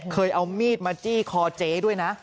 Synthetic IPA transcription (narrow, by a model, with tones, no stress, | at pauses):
kʰɤː˧jʔa˧wmiː˥˩t̪̚maː˧t͡ɕiː˥˩kʰɔː˧t͡ɕeː˨˧˩du˥˩əjna˦˥ʔ